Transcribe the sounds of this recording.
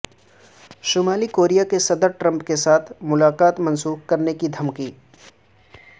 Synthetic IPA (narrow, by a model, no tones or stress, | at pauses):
ʃʊmaːlikoːɾijakesɐd̪əɾʈɾɐ̃mpkesaːt̪ʰmʊlaːqaːt̪mɐ̃nsuːxkɐɾnekid̪ʱɐmkiː